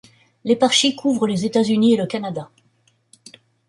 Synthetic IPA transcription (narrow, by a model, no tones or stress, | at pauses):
lepaʁʃikʰuvʁəlezet̪azynieləkanad̪a